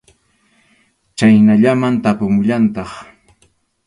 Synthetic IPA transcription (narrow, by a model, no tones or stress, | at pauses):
t͡ʃajnaʎamant̪apʊmʊʎant̪ɑχ